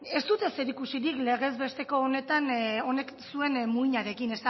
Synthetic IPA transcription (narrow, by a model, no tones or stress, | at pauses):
e̞st̪ut̪e̞seɾikusiɾikle̞ɣe̞zβe̞st̪e̞ko̞ːne̞t̪ano̞ne̞ksue̞nmuiɲaɾe̞kine̞st̪a